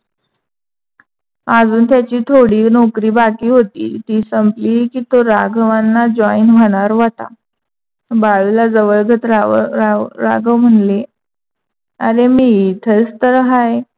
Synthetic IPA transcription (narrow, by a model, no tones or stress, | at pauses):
ad͡zuːnt̪jat͡ɕiːt̪ʰoɽiːnokɾiːbakiːɦot̪ḭːt̪iːsəmpliːkiːt̪oɾaɡʋanːad͡ʑɔinʋʱəɽ̃aɾʋat̪a̰ | baɭulad͡zəʋəɭɡʱət̪ɾaaɾa̰ɡəm̤əɳle | əɾemiːt̪ʰət͡st̪əɾɦaje